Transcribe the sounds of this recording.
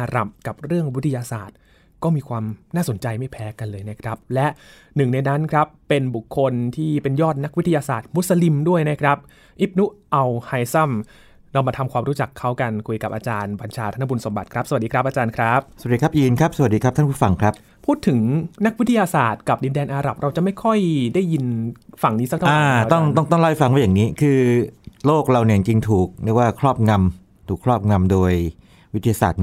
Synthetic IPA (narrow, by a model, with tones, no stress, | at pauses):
ʔaː˧ɾa̰˨˩m̚ka˨˩p̚ɾɯ˥˩əŋwi˦˥t̪ʰːjaː˧saː˨˩t̪̚ | kɔː˥˩miː˧kʰwaː˧mnaː˥˩so˩˦nt͡ɕa˧jma˥˩jpʰɛː˦˥ka˧nlɤː˧jna˦˥kʰɾa˦˥p̚lɛ˦˥ʔ | nɯ˨˩ŋna˧jna˦˥nkʰɾa˦˥pːe˧nbu˨˩kʰːo˧nt̪ʰiː˥˩pe˧njɔː˥˩t̪̚na˦˥k̚wi˦˥t̪ʰːa˧ja˧saː˨˩t̪̚mu˦˥t̪̚sa˧li˧mdu˥˩əjna˦˥kʰɾa˦˥p̚ | ʔi˦˥p̚nu˦˥ʔa˧wha˧jsa˥˩m | nɔː˧maː˧t̪ʰa˧mkwaː˧mɾuː˦˥t͡ɕa˨˩kʰːa˦˥wka˧nkʰu˧jka˨˩p̚ʔaː˧t͡ɕaː˧nba˧nt͡ɕʰaː˧t̪ʰa˥˩a˥bu˧nso˩˦mba˨˩t̪̚kʰɾa˦˥p̚sa˩diː˧kɾa˦˥pʔaː˧t͡ɕaː˧nkʰɾa˦˥p̚sa˨˩˨diː˧kʰa˦˥p̚ji˧nkʰɾa˦˥p̚sa˨wa˨˩t̚diː˧kɾa˦˥pt̪ʰa˥˩pʰu˥˩fa˧ŋkʰɾa˦˥p̚ | pʰuː˥˩t̪ʰːɯ˩˦ŋna˦˥k̚wi˦˥t̪ʰːa˧jaː˧saː˨˩t̪̚ka˨˩p̚di˧ndɛː˧nʔaː˧ɾa˨˩p̚ɾa˧wt͡ɕa˨˩ʔma˥˩jkʰɔ˥˩jdaː˥˩jːi˧nfa˨˩ŋniː˦˥sa˥k̚tʰa˦aː˥˧˩t̪ɔ˥˩ŋt̪ɔ˥˩ŋt̪ɔ˥˩ŋla˦˥˩jfa˧ŋwaː˥˩ja˨˩ŋniː˦˥kʰɯː˧loː˥˩k̚ɾa˧wni˩t͡ɕa˨ŋt͡ɕi˧ŋt̪ʰuː˨˩k̚ɾi˥˦˩kwaː˥˩kʰɾɔː˥˩p̚ŋa˧m | t̪ʰuː˨˩kʰɾɔː˥˩p̚ŋa˧mdoː˧j | wt̪ʰi˧aː˧sa̰ː˨˩t̪̚